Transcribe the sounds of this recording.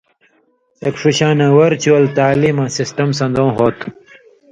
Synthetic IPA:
ɐkʂuɕãːnɐ̃wɐɾt͡ɕuɐlt̪aːlimãsisʈɐmsɐ̃nd̪õːɦoːt̪ʰ

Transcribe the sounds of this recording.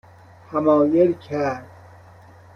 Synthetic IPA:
hæmɒːjelkʰæɾd̪̚

